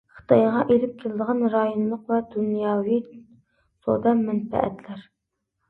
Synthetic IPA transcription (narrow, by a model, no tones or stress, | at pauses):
χə̥t̪ʰɑjʁɑʔelɪp̚kʲʰelˠɨd̪əʁɑnɾɑjonlˠəqvɛd̪unjɑːwi | so̰d̪ɑmɛnfɛ̰ʔɛ̰t̪ʰlæɾ